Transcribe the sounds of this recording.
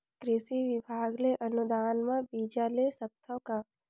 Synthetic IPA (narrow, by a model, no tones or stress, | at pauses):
kɾɪsiʋɪbʱaːɡleʔənʊd̪aːnmãbiːd͡ʒalesət̪ʰə̃ka